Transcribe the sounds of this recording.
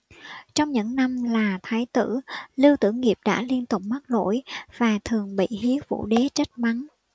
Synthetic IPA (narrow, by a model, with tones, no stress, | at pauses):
t͡ɕɔ˧wŋ͡mɲɨ̰˧˥ŋna˧mlaː˨˩t̪ʰaː˨˦jt̪ɨ̰˧˥li˧wt̪ɨ̰˧˩ŋi˨˩əp̚ɗa̰ː˧˥li˧ənt̪ʊ˨˩k͡p̚ma˦˥k̚lo̰˧˥jv̥aː˨˩t̪ʰɨ˨˩əŋɓḭ˧˨ɦi˨˦əwvṵ˧˥ɗe˨˦t͡ɕə˦˥t̚ma˨˦n